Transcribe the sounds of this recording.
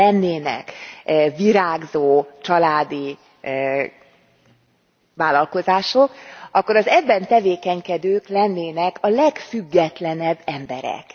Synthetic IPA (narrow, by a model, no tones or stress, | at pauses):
ɛnːeːnɛ̰kviɾaːɡzoːt͡ʃɒlaːd̪i | vaːlɒlko̞zaːʃokɒkːoɾɒzɛbːɛnt̪ɛveːkɛɲkɛd̪øːklɛnːeːnɛkɒlɛkfyɡːɛt̪lɛnɛbːɛmbɛɾɛ̰k